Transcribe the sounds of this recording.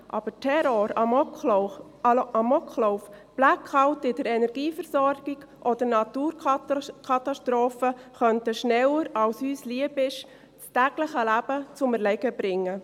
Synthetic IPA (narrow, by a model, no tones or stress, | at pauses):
ʔɑ̰b̥ətʰɛɾoɾ | ʔɑmɔkχloʊfb̥lækʰɑwtɪdəɾɛnɛɾɡ̥iːfəɾsɔɾɡ̥ɪɡ̥ | ʔod̥əɾnɑt̪uːɾkʰɑt̪ɑʃtɾoːfəχœntəʃnɛwəɾɑwshyːsliəbɪʃ | t͡stæɡ̥ləχəlæb̥ət͡sʊməɾlɛɡəbɾɪŋːə